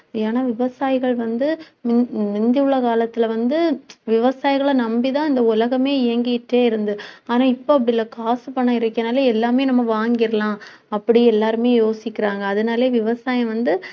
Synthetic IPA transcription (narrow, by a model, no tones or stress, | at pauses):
eːnaːʋɪʋɐsaːjɪɣɐɭʋɐnd̪ɯmɪmɪnd̪ɪɯɭːɐkaːlɐt̪ːɪlɐʋɐnd̪ɯʋɪʋɐsaːjɪɣɐɭɐnɐmbit̪ãːɪnd̪ɐʊlɐɣɐmeːɪjɐŋɡɪʈːeːɪɾɯnd̪ɯaːnaːɪpːoːɐp̬ːɐɽɪlːɐkaːsɯpɐɳːɐɪɾɐkːɐnaːleɛlːaːmeːnɐmːɐʋaːŋɡɪɾɐlãː | ɐpːɐɽiɛlːaːɾɯmeːjoːsɪkːɪɾaːŋɡɐːðɯnaːleːʋɪʋɐsaːjɐ̃ʋɐnd̪ɯ